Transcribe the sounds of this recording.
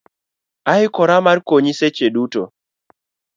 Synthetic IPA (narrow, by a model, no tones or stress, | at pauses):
aɪkɔɾamarkoɲiset͡ʃeduto